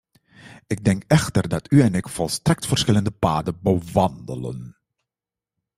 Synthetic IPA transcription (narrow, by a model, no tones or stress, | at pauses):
ɪɡ̚dɛŋkɛxtərdɑtʰyɛnɪkfɔlˠstrɛk̚tfəɹsxɪləndəpaːdəbəʋɑndələ̰n